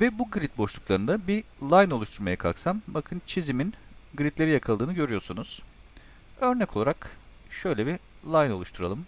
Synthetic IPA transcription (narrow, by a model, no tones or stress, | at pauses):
vɛbuɡɯɾit̪̚bo̞ʃlˠuklˠaɾɯnd̪abilˠajno̞lˠuʃt̪ʰuɾmajakʰa̰lksambakʰɯnt͡ʃʰiziminɡɯɾit̪lʲe̞ɾijakʰalˠd̪ɯːnɯɟø̞ɾyjo̞ɾsunuz̥ | ø̞ɾnɛkʰo̞lˠaɾakʃø̞jlʲɛbi | lˠajno̞lˠuʃt̪ʰuɾa̰lˠɯm